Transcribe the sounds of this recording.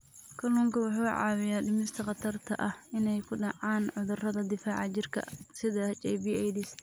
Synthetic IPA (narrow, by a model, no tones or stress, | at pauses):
kʰɐluːŋkʰɐwʊħuːʕɑ̰ːwɪjaːɗɪmɪst̪ʰɐqɑt̪ʰɐrt̪ʰɐʔɐhɪnɛjkʰʊɖɑʕɑːnʕʊðʊrɐðɐd̪ɪfaːʕɑt͡ʃɪrkʰɐ̰sɪðɐt͡ʃʼɛjbiːɛjd̪ɪs